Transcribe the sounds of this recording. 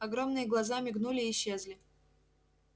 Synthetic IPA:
ɐɡɾo̞mnɨjəɡlˠɐzamʲɪɡnulʲɪːɕːezlʲɪ

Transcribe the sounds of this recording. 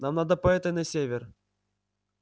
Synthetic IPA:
namnad̪əpɐɛt̪ɐnɐsʲevʲer

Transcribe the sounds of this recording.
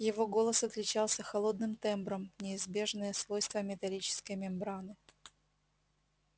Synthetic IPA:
jɪvo̞ɡo̞lˠəsɐt̪lʲɪt͡ɕalˠsʲəxɐlˠo̞d̪nɨmt̪ɛmbɾəmnʲɪːzbʲe̞ʐnɨjəsvo̞jst̪vəmʲɪt̪ɐlʲit͡ɕɪ̥skəjmʲɪmbɾanɨ

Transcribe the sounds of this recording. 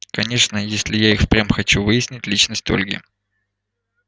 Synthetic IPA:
kɐnʲe̞ʂnəjesʲlʲɪjaixpɾʲamxɐt͡ɕuvɨjɪsʲnʲɪtʲlʲit͡ɕnəsʲtʲo̰lʲɡʲɪ̰

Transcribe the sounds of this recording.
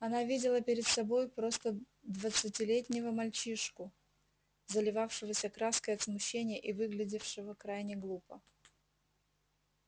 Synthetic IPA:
ɐnavʲidʲɪlˠəpʲɪɾʲɪt̪sɐbo̞jpɾo̞st̪ə | d̪vət̪sɨtʲɪlʲetʲnʲɪvəmɐlʲt͡ɕiʂkʊ | zəlʲɪvafʂɨvəsʲəkɾaskəjɐt̪smʊɕːenʲɪjəʔivɨɡlʲɪdʲɪfʂɨvəkɾajnʲɪɡlˠupə

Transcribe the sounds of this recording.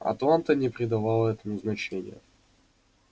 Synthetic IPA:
ɐ̰t̪lˠant̪ənʲɪpɾʲɪd̪ɐvalˠəɛt̪əmuznɐt͡ɕenʲɪ̰jə̰

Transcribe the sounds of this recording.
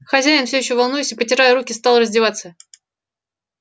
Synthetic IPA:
xɐzʲæjɪnfsʲɵɪɕːovɐlˠnujɪsʲɨpətʲɪɾajəɾukʲɪst̪ɑlˠrəzʲdʲɪvat̪sə

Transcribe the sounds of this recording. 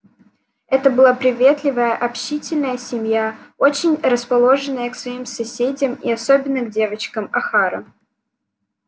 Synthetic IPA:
ɛt̪əbɨlˠapɾʲɪvʲe̞t̪lʲɪvəjəʔɐpɕitʲɪlʲnəjəsʲɪmʲjao̞t͡ɕɪnʲrəspɐlˠo̞ʐɨnːəjəksvɐimsɐsʲedʲɪmiɐso̞bʲɪnːəɡdʲe̞vət͡ɕkəmɐxaɾə

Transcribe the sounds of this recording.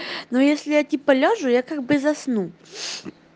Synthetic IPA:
nojesʲlʲɪjatʲipɐlʲoʐʊjakaɡ̚bɨzɐsnu

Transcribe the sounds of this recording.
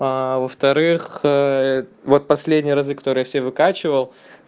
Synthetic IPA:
avəft̪ɐɾɨx | vo̞t̪̚pɐsʲlʲedʲnʲɪjəɾɐzɨkɐ̥t̪o̞ɾɨjafsʲevɨkat͡ɕɪvəlˠ

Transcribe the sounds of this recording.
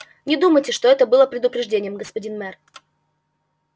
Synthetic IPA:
nʲɪd̪uməjtʲɪʂt̪o̞ɛt̪əbɨlˠəpɾʲɪd̪ʊpɾʲɪʐdʲenʲɪjəmɡəspɐdʲinmɛr

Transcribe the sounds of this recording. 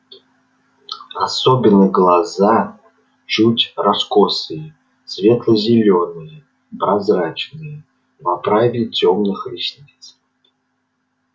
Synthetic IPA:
asobʲɪnːəɡlˠaza | t͡ʃutʲraskosɨjə | svʲet̪lˠəzʲɪlʲonɨjə | pɾazɾat͡ʃnɨjə | vapɾavʲɪtʲomnɨxɾʲisʲnʲit̪s

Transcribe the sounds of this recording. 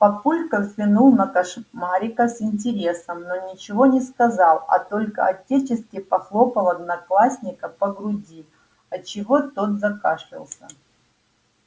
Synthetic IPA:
pɐpulʲkəvːʲɪnulˠnɐkɐʂmaɾʲɪkəsɪnʲt̬ʲɪɾʲe̞səmnonʲɪt͡ɕɪvo̞nʲɪskɐzɑlˠɐ̰t̪o̞lʲkə̰ɐ̰tʲet͡ɕɪskʲɪpɐxlˠo̞pəlˠɐd̪nɐklˠasʲnʲɪkəpəɡɾʊdʲi | ɐt͡ɕɪvo̞t̪o̞t̪zɐkaʂʲɪ̰lˠsʲɐ

